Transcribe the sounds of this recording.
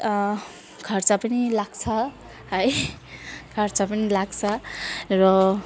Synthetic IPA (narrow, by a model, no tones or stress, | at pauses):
ɡʰʱʌrt͡sapʌnilaɡt͡sʰʌ | hʌj | ɡʰʱʌrt͡sapʌnilaɡt͡sʰʌrʌ